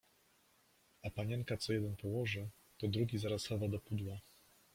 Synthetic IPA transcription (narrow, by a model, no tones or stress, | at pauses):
apaɲɛŋkat̪sɔjɛd̪ɛnpɔwɔʐɘ | t̪ɔd̪ɾuɡʲizaɾasxavad̪ɔpud̪wa